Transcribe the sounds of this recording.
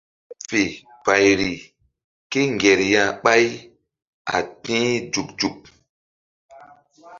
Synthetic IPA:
fe˨ | pa˨jɾi˨ | ke˦ŋɡɛ˨ɾjã˦˨ɓa˦j | a̰˨tĩ˦d͡ʒu˨kd͡ʒu˨k̚

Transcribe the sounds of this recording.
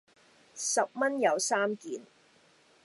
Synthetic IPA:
sɐ˨p̚mɐ˥njɐ˨˧wsaː˥mkiː˨˩n

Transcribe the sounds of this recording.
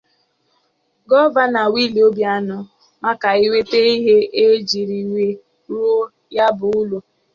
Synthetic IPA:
ɡɔ˦ba˦na˨wi˦li˨o˦bja˦nʊ˦ | ma˦ka˨i˦we˦te˦i˦ɦe˦ʔe˦d͡ʒi˨ɾi˨we˦ | ɾo˦ | ja˦bʊ˨ʊ˦lu˨

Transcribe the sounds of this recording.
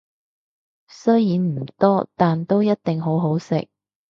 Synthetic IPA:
sɵ˥jjiː˨˧nm̩˨˩t̪ɔː˥t̪aː˨nt̪o˥wjɐ˥t̚t̪ɪ˨ŋɦo˨˥wɦo˨˥wsɪ̰˨k̚

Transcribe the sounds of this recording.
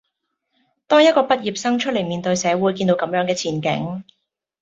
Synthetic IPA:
t̪ɔː˥ŋjɐ˥t̚kɔː˧pɐ˥t̚jiː˨˩p̚sɐ˥ŋt͡ʃʰɵ˥t̚le˨˩jmiː˨nt̪ɵ˧ɥsɛː˨˧˥wuː˨˥jkiː˧nt̪o˨˧wkɐ˨˧˥mjœː˨˥ŋkɛː˧t͡sʰiː˨˩nkɪ̰˨˥ŋ

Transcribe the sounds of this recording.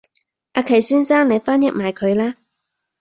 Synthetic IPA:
ʔaː˧kʰe˨˩jsiː˥nsaː˥ŋne˨˧jfaː˥njɛ˥k̚maː˨jkʰɵ˨˧ɥlaː˥

